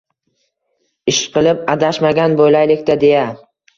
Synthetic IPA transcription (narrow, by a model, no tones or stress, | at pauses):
ɪʃqʰɨlˠɪpad̪aʃmaɡʲanbojlajlɪkʲt̪ʰad̪e̞ja